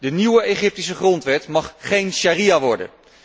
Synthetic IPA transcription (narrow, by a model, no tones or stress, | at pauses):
dəniwəeχɪp̚tisəχrɔntʋɛtmɑχχejnʃaːrijaʋɔɹdə̰n